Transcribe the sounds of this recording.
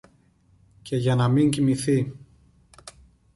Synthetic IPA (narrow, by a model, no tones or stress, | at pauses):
ce̞ʝɐnɐmiɲcimiθi